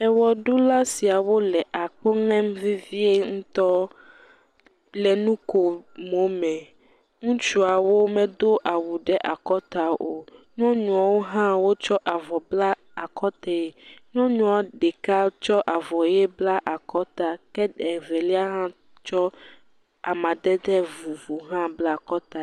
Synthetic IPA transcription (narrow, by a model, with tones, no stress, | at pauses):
ɛ˨wɔ˨ɖu˦la˦si˨a˨wo˦lɛ˨ʔa˨k͡pɔ˦ŋɛ̃˦mvi˦vi˦e˦ŋũ˦t̪ɔ˦ | lɛ˨nũ˦ko˨mo˨mɛ̃˨ | ŋũ˦t͡ʃu˦a˨wo˦mɛ̃˦d̪o˦ʔa˨wu˨ɖɛ˦ʔa˨kɔ˦t̪a˨o˨nɔ̃˦ɲũ˨a˨wo˦ɦã˦wo˦t͡ʃɔ˦ʔa˨vɔ˨bla˦ | a˨kʰɔ˦t̪ɛ˦e˨nɔ̃˦ɲũ˨˦a˨˦ɖɛ˨ka˦t͡ʃɔ˦ʔa˨vɔ˨jɛ˦bla˦ʔa˨kɔ˦t̪a˨kɛ˦ɖɛ˨vɛ˨li˦a˦ɦã˦ | t͡ʃɔ˦ | a˨mã˨d̪ɛ˦d̪ɛ˦vu˨vu˨ɦã˦bla˦˨kɔ˦t̪a˨